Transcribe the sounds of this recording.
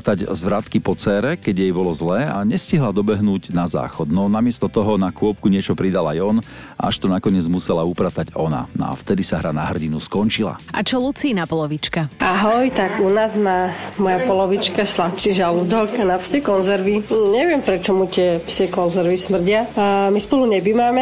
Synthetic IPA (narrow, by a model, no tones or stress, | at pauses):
t̪aɟzʋɾat̪kipɔt͡sɛːɾɛkɛɟjɛjbɔlɔzlɛːaɲɛsciɦlad̪ɔbɛɦnuːɟnaza̰ːxɔd̪nɔnamɪɛst̪ɔt̪ɔɦɔnakʊɔp̚kuɲɪɛt͡ʃɔpɾid̪alajɔn | a̰ʃt̪ɔnakɔɲɪɛd͡zmusɛlaupɾat̪aɟɔna̰nɔ̰a̰ft̪ɛd̪isaɦɾanaɦr̩ɟinuskɔnt͡ʃila̰ʔa̰t͡ʃɔlut͡siːnapɔlɔʋit͡ʃkaʔaɦɔjt̪aɡunaːzmaːmɔjapɔlɔʋit͡ʃkaslapt͡ʃiʒalud̪ɔkanapsɛkɔnzɛɾʋiɲɛʋɪɛmpɾɛt͡ʃɔmut̪ɪɛpsɛkɔnzɛɾʋismr̩ɟɪamispɔluɲɛbimaːmɛ